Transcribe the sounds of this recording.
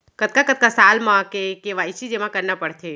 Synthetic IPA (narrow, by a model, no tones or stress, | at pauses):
kət̪̚kakət̪̚kasalmãkekeʋajt͡ʃʰid͡ʒemãkəɾnapəɽt̪ʰe